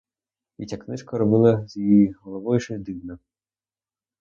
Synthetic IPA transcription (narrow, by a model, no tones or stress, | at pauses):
it͡sʲaknɪʃkɐɾɔbɪlˠɐzʲjijiɦɔlˠɔʋɔjuʃejd̪ɪwnɐ